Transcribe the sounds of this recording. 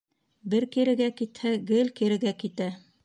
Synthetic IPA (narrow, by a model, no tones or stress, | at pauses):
bɘɾkiɾɘ̆ɡækit̪hæɡɘlkiɾɘ̆ɡækit̪æ